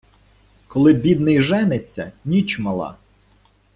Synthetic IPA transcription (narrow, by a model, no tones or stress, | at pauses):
kɔlˠɪbʲid̪nɪjʒɛnet͡sʲːɐnʲit͡ʃmɐlˠɑ̰